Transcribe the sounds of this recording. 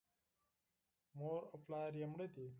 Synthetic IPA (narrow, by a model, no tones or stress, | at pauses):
moːɾoflaːɾjɐmɽet̪i